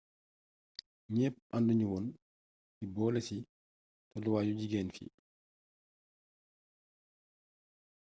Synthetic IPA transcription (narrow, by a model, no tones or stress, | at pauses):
ɲɛːpʔanduɲiwɔn | sibɔːlɛsi | tɔdɔwaːjud͡ʒiɡɛːnfḭ